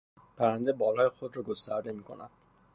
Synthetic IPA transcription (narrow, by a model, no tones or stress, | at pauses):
pʰæɾænd̪ebɒlɒːjexod̪ɾɒɡost̪æɾd̪emiːkʰo̰næ̰d̪̥